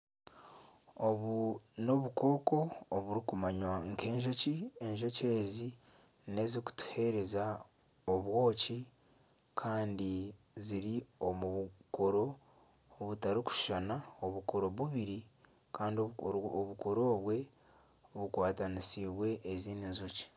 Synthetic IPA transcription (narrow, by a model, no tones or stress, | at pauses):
oβuno̞βukʰo̞ːko̞ːβuɾikumaɲwaŋke̞ːɲʒo̞cie̞ɲʒo̞ce̞ːzi | ne̞ziku̥tu̥he̞ɾe̞za | oβwo̞ːci | kʰaːndi | ziɾiomuko̞ɾo̞ | βutaɾiku̥ʃʃanaoβukoɾo̞βuβiɾi | kaːndiooβukoɾo̞ːβwe̞ | βukwaːtanisiβwe̞ʔːziːninzuci̥